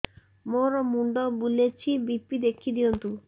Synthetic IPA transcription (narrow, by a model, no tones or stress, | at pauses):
moɾɔmuɳɖɔbulet͡ʃʰibipid̪ekʰid̪iɔnt̪u